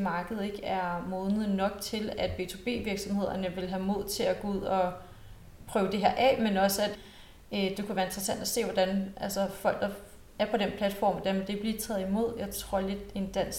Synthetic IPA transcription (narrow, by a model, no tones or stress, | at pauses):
mɑ̈ːɡ̥əð̞̩ˠe̝ɡ̥æɐmɔ̽ːðˠnð̩ˠnɒ̽ɡ̥̚t͡sʰe̝læd̥̚b̥e̝t͡sʰo̝b̥e̝̰ːʋiɐɡ̥sɒ̽mhe̝ð̞̰ˠɐnəʋe̝lɦæmo̝ð̞̰ˠt͡sʰe̝æɡ̥ɔuð̞̰ˠɒ̽ | pʰʁœːʊd̥e̝ɦæɐ̰ʔɛ̰menɒ̽səæd̥ | ød̥e̝kʰuʋæːɐe̝nd̥ʁɐsæn̰d̥æse̝̰ːʋɒd̥ænʔælsɒfɒ̽l̰ɡ̥d̥ɐ | æɐpʰɒ̽ɾ̥enpʰlæd̥fɒ̰ːmʋɒd̥æɐmend̥e̝b̥lit͡sʰɛːð̞̩ˠimo̝ð̞̰ˠjɑ̈ɪt͡sʰʁo̝ɐ̰le̝d̥e̝nd̥æn̰s